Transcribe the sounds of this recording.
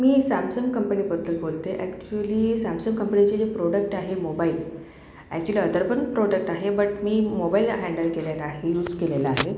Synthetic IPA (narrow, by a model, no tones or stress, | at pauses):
miːsamsəmkəmpənibəd̪ʱːəlbolt̪eʔækt͡ɕuəliːsamsəmkəmpənit͡ɕed͡ʑepɾoɽək̚ʈaɦemobail | ɛ̰k̚t͡ɕuəliəd̪əɾbənpɾoɽək̚ʈaɦebəʈmiːmobailɦæ̃ɳɖəlkeljalaːɦejuːd͡zkelelaaɦe